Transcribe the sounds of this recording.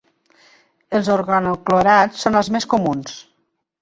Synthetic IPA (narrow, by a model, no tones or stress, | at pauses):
əlˠzoɾɣanokloɾat͡sːonəlˠzmeskomuns